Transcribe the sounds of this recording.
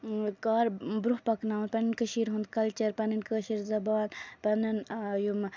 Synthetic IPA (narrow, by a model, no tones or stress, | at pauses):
kaːɾbɾuhpɐknaːunpɐnɨnkəʃiɾɦund̪̚kɐlt͡ʃɐɾpɐnɨnkəːʃiɾzɐbaːnpɐnɐnjum